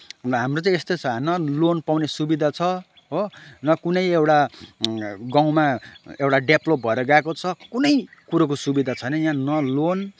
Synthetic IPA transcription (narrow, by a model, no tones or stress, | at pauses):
rʌɦamrot͡sãĩest̪ot͡sʰʌnʌlonpawnesubid̪ʱat͡sʰʌ | ɦonʌkunʌjewʈa | ɡãw̃maewʈaɖeplop̚bʱʌeɾʌɡaekot͡sʰʌkunʌjkuɾakosubid̪ʱat͡sʰʌnʌjãnʌlon